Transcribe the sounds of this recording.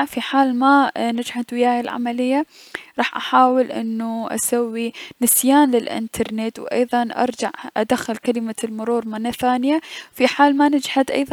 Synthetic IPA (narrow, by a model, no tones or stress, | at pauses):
fiħaːlmanɪd͡ʒhad̪wɪjaːjalʕa̰malɪjːa | ɾˤɑːħʔaħaːwɪlʔɪ̰nːuʔa̰sawːinɪsjaːnlɪlʔɪ̰nt̪ʰɑɾˤnet̪wʔɑ̰jðˤɑnʔɑ̰ɾˤd͡ʒa̰ʕʔa̰d̪axːɪlkalɪmalmʊɾuːɾˤmanaθaːnjawfiħaːlmanɪd͡ʒhad̪ʔɑ̰jðˤ